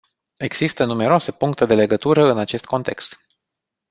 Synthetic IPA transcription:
e̞ɡz̥ist̪ənume̞ɾoase̞puŋkt̪e̞d̪e̞le̞ɡət̪uɾəɨnat͡ʃe̞st̪̚kʰo̞nt̪e̞̰kst̪

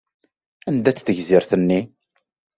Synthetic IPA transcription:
ænd̪æt͡sːθəʝziɾθənːi

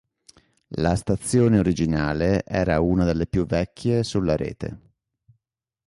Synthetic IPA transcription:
last̪at̪sːjoːneoɾid͡ʒinaːleʔɛːɾauːnad̪elːepjuvːɛkʲʰːjesulːaɾḛːt̪ḛ

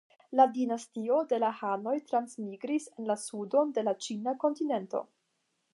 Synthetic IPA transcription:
ladinastio̞de̞lahano̞jtɾansmiɡɾise̞nlasudo̞nde̞lat͡ʃinako̞ntine̞nto̞̰

